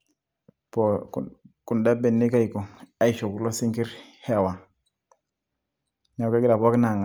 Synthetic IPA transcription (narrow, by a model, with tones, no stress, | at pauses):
po˨ku˨nda˦be˨nːi˦ka˦jko˨a˦˨i˨ʃo˨ku˨lo˦si˦ŋki˦ɾhe˦˨wa˨ | ɲa˨˦ke˦ɡi˦la˨po˦ki˦na˨ŋa˨